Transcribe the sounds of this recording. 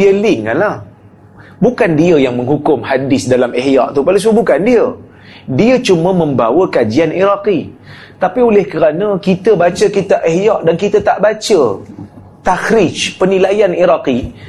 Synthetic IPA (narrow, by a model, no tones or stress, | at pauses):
iəlɪŋka̰nlah | bukandiəjaŋmə̃ŋɦukʊmhadɪsdalamehja̰ʔt̪upalas̬əbukandiə | diət͡ʃumə̃mə̃mbawəkad͡ʒianiɾaqi | t̪apiolɪhkəɾanə̃kit̪əbat͡ʃəkit̪aʔehjaʔdankit̪at̪aʔbat͡ʃə | t̪akɾɪt͡ʃpənĩlajaniɾaqi